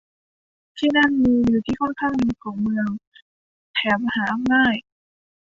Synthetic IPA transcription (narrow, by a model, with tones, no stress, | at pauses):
t̪ʰiː˥˩na˥˩nmiː˧juː˨˩t̪ʰiː˥˩kʰɔ˥˩nkʰaː˥˩ŋni˧kʰɔː˩˦ŋmɯ˧əŋ | t̪ʰɛː˩˦mma˧haː˩˦ʔa˧mnaː˥˩j